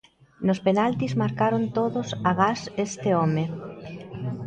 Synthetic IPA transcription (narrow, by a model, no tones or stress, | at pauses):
nospenalt̪izmaɾkaɾont̪oðʊsaɣasest̪ɪɔme